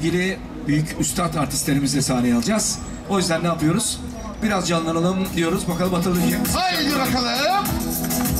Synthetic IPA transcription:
ɟilʲi | byjycʰyst̪ʰat̪aɾt̪ʰist̪lʲeɾimizd̪ʲɛsaːnɛjalˠd͡ʒaz̥ | o̞jyzd̪ænːaːpɯjo̞ɾuz̥ | biɾazd͡ʒanlːˠanalˠɯmd̪ijo̞ɾuzbakʰalˠɯmat̪ʰalˠɯd̪jaad̪iɾakalˠajlɯm

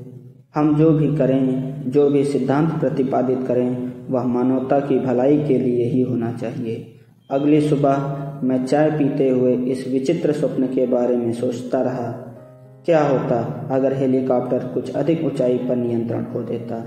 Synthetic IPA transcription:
həmd͡ʒoːbʱikəɾẽd͡ʒoːbʱisɪd̪ʱːãːnt̪pɾət̪ɪpaːd̪ɪt̪kəɾẽʋəɦmaːnɔːt̪akibʱəlaːikelieɦiɦoːnat͡ʃaːɦieː | ɐɡlisʊbəɦmɛ̃ːt͡ʃaːepiːt̪eɦʊeɪsʋɪt͡ʃɪt̪ɾəsʊpnkebaːɾemẽsoːt͡ʃt̪aɾɐɦa | kjaːɦoːt̪aɐɡəɾɦeːlikaːpʈəɾkʊt͡ʃʰə̰d̪ʱɪkʊt͡ʃaːipəɾnɪjə̃nt̪ɾə̰ɽ̃ɦod̪eːt̪a

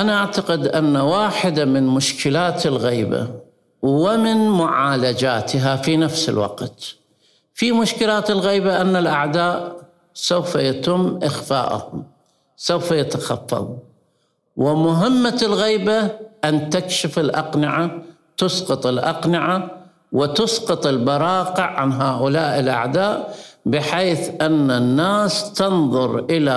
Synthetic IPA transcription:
ʔanaʔaʕt̪aqɪd̪ʔanːawaːħɪd̪amɪnmʊʃkɪlaːt̪ɪlɣiːba̰ | wɪmɪnmʊʕaːlad͡ʒaːt̪ɪɦafinafsɪ̰lwɑ̰qt̪ | fimʊʃkɪlaːt̪ɪlɣiːbaʔanːalʔaʕd̪aːʔ | sawfajat̪ɪmːʔɪxfa̰ːʔa̰hʊm | sawfajat̪axɑfːɑ̰ðˤ | wɪmʊɦɪmːalɣiːbaʔant̪akʃɪfɪlʔɑqnɪʕa | t̪ʊsqɨt̪ˤɪlʔɑqnɪʕa | wɪt̪ʊsqɨt̪ˤɪlbɑɾˤɑːqɪʕʕanɦaːʔʊlaːʔɪlʔa̰ʕd̪aːʔbɪħeːθʔanːanːaːst̪ɑnðˤʊɾʔɪla

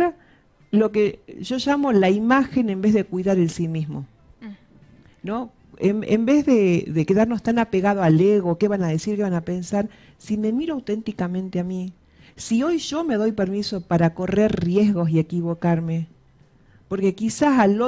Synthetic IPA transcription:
ɾa | lo̞keʒo̞ʒamolaimaxe̞nembe̞zðekwuiðaɾensimismo̞ | no | emḛmbe̞zðeðeke̞ðaɾno̞st̪anapeɣað̞oaleɣoke̞βanaðesiɾke̞βanape̞nsaɾ | sime̞miɾoawt̪e̞nt̪ikamẽ̞nt̪eami | sio̞jʒ̥o̞me̞ðo̞jpe̞ɾmiso̞paɾako̞re̞ɾrje̞zɣo̞s̬ie̞kiβo̞kaɾme̞ | po̞ɾke̞kisasalo

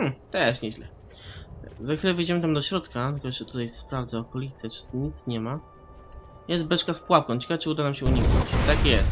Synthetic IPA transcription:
m̩t̪ɛʂɲɛʑlɛ̰ | zaxfʲilɛvjd͡ʑɛmɘt̪amd̪ɔɕɾɔt̪kat̪ɛkɔʐɛt̪ut̪ajsspɾavd̪zɛɔkɔlʲit̪sɛt͡ʂɨ̥ɲit̪sɲɛma | jɛst̪̚bɛt͡ʂkaspwap̚kɔ̃w̃t͡ɕɛkat͡ʂɘud̪anamɕɛuɲiknɔ̰t͡ɕt̪akjɛst̪

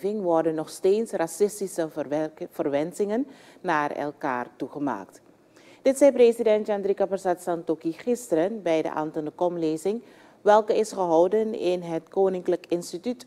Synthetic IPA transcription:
vɪŋʋɔrdənːɔχsteːtsrasɪstisəv̥ərʋɛnzɪŋənː | aːrɛ̰lˠka̰ːrtuχəma̰ːkt | d̥ɪtsɛjprezidɛntandrikaparsatsɑntokiχɪstəɾənbɛjdə̰ʔa̰ːntəndəkɔmleːzɪŋ | ʋɛlˠkəɪsχəɦɑwdənɪnɦətkoːnɪŋkləkɪnstityt

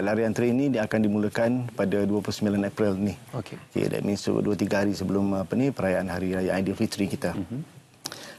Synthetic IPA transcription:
laɾiant̪ɾinĩdiakandimulakanpadaduapulusəmilanapɾilnihoeokḛda̰minsṵduat̪iɡaɦaɾisəbəlʊmapanipəɾajaanɦaɾiɾajaajdilfit̪ɾikit̪a

